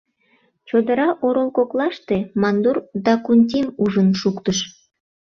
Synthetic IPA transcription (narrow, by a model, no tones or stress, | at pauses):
t͡ɕod̪ə̆ɾɑʔoɾolˠkoklɑʃt̪emɑnd̪urd̪ɑkunʲt̪ʲimuʒənʃukt̪əʃ